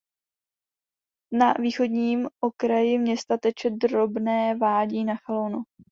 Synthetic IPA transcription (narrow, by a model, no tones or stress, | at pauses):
naviːxo̞dɲiːmʔo̞kɾajɪmɲɛst̪at̪ɛt͡ʃɛdɾo̞bnɛːvaːɟiːnaxalownu